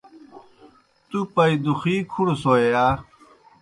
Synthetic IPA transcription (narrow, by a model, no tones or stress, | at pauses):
t̪upɐid̪uxiːkʰuɽsoeaː